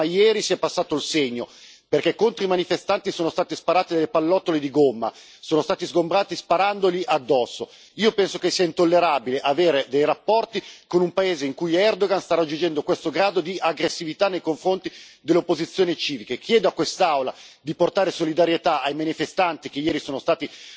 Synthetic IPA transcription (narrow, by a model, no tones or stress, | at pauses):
ajɛːɾisiɛpːasːaːt̪oilseɲːo | perkɛkːont̪ɾoimanifest̪ant̪isoːnost̪aːt̪ispaɾaːt̪id̪alːepalːɔt̪ːoled̪iɡomːa̰ | soːnost̪aːt̪izɡombɾaːt̪ispaɾand̪oliʔad̪ːɔsːo̰ | iːopɛnsokesiːaint̪olːeɾabileʔaveːɾed̪ejɾapːɔrt̪ikonumpaeːzeiŋkujɛrd̪oɡanst̪aɾad͡ʒːund͡ʒɛnd̪okwest̪oɡɾaːd̪od̪iaɡɾesːivit̪anːejkoɱfɾont̪id̪eleopːozit̪sːjoːnit͡ʃiːvikekʰjɛːd̪oakːwest̪awlad̪iport̪aːɾesolid̪aɾjet̪aajmanifest̪ant̪ikejɛːɾisoːnost̪aːt̪i